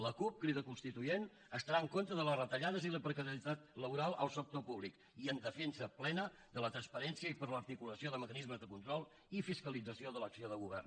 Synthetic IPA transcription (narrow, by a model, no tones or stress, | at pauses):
ləkup̚kɾiðəkunst̪it̪ujen | əst̪əɾaəŋkont̪ɾəðələrət̪əʎaðəziləpɾəkəɾiət̪at̪ləβuɾalˠəlˠsək̚t̪opuβlik | iənd̪əfɛnsəplɛnə | ðələt̪ɾənspəɾɛnsiəipəɾləɾt̪ikuləsioðəməkənizməzðəkunt̪ɾɔlˠ | ifiskəlid͡zəsioðələksioðəɣuβɛ̰rn